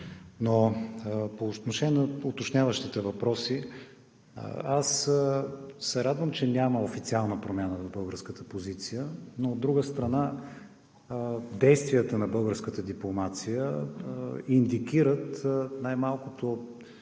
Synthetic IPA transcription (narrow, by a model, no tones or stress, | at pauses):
no | pot̪noʃɛnʲɛnəot̪ot͡ʃnʲavəʃt̪it̪ɛvɐpɾɔsḭ | as | sɛɾad̪vəmt͡ʃɛnʲaməofit̪sialˠnəpɾomʲjanəvɐbɤlˠɡəɾskət̪əpozit̪sijənoːd̪ːɾuɡəst̪ɾɐna | d̪ɛjst̪vijət̪ənɐbɤlˠɡəɾskət̪əd̪iplˠomat̪sijə | ind̪ikʲiɾət̪najmalˠkʊt̪o